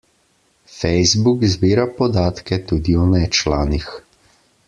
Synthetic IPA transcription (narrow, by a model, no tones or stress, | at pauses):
fɛjzbukzbiːɾapɔd̪aːt̪kɛt̪uːd̪iɔnɛt͡ʃlaːnix